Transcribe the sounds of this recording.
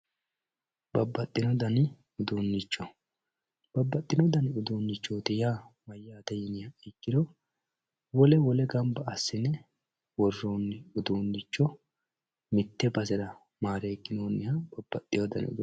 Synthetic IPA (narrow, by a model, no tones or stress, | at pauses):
b̥ɐbːɐt̪ʼːɪnɔd̪ɐnɪ | ʊd̪uːnːɪt͡ʃːɔ | b̥ɐbːɐt̪ʼːɪnɔd̪ɐnɪʊd̪uːnːɪt͡ʃːoːt̪ɪjaːmɐjːaːd̪ɐjɪnɪjɐɛkːɪd̪ɔ | wɔlɛwɔlɛɡɐmbɐɐsːɪnɛ | wɔrːoːnːɪʊd̪uːnːɪt͡ʃːɔ | mɪt̪ːɛbɐsɛɾɐ | maːɾeːɡːɪnoːnːɪhɐb̥ɐb̥ːɐt̪ʼːɪjɔd̪ɐnɪ̰ʊ̰d̪